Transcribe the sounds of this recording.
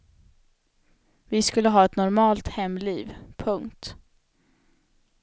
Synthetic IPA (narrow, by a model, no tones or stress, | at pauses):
vɪskɵlːəɦɑːɛt̪nɔɾmɑːlt̪hɛmːliːvpʰɵŋkt̪